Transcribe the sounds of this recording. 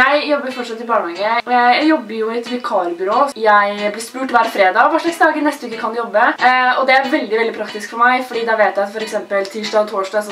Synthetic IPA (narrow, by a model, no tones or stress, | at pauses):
jæɪjɔbːəɾfɔʈʂɑt̪ːɪbɑːɳəɑŋɡəəɔjææɪjɔbːəɾjʊɪɛt̪ʋɛkʰɑːɾbʏɾoːjæɪblɪspʉːʈʋæːɾfɾeːd̪ɑʋɑːʂɭɑksd̪ɑːɡənɛst̪ʋʉːk̪ːəkʰɑnd̪jɔbːəɔd̪ɛæɾʋɛld̪ɪʋɛld̪ɪpʰɾɑkt̪ɪskfɔɾmæɪfɔɖiːd̪ɑʋeːt̪jæɪɑt̪fɔɾɛksɛmpəlt̪ʰiːʂɖɑːɡt̪ʰoːʂɖɑsɔ